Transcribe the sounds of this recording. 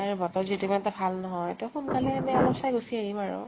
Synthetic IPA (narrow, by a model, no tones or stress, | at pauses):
aɹubɔtɔzitumatɔbʱalnɔɦɔjtuxunkalɛamɛɔlɔpsajɡusiaɦimaɹʊ̰